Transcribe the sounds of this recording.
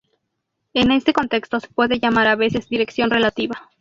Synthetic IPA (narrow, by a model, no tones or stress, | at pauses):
e̞ne̞st̪e̞ko̞nt̪e̞kst̪o̞se̥pwe̞ðe̞ʝamaɾaβe̞se̞zd̪iɾe̞ksjo̞nre̞lat̪iβa